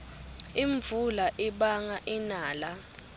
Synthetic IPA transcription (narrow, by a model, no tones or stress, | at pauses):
iɱvulaʔiɓaŋaʔinaːla